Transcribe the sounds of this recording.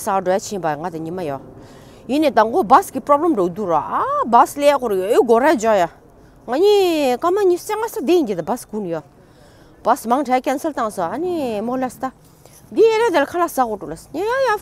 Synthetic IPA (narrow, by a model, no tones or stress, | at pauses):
saɖ͡ʐojat͡ɕʰibaŋat̪aɲimajɔ | jineːt̪aŋbobaskipɹɔbləmɖ͡ʐod̪uraʔabaslekoɾeøɡoɾad͡ʑɔja | ŋaɲiːkamaɲist͡seŋasad̪eid͡ʑid̪abaskunijɔ | b̥asmaŋʈ͡ʂʰakɛnsəlt̪aŋsɔʔanimolast̪a | d̪ieɾad̪elakʰalasaoʈ͡ʂulasɲejaŋja